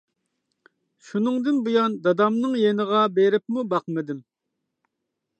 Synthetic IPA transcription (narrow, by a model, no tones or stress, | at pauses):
ʃunɨŋd̪ɪnbujɑnd̪ɑd̪ɑmnɨŋjenəʁɑbeɾɪp̚mubɑqmɪd̪ɪm